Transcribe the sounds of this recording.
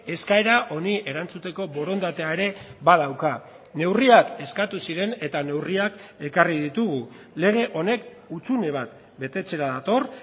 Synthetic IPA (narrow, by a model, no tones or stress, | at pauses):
e̞skaeɾaʔo̞niʔe̞ɾant͡sut̪e̞ko̞bo̞ɾo̞nd̪at̪eaeɾe̞βaðawka | ne̞wriake̞skat̪usiɾe̞ne̞t̪ane̞wriake̞karið̞it̪uɣ̞u | le̞ɣ̞e̞ʔo̞ne̞k | ut͡sune̞β̞at̪ | be̞t̪e̞t͡se̞ɾaðat̪o̞r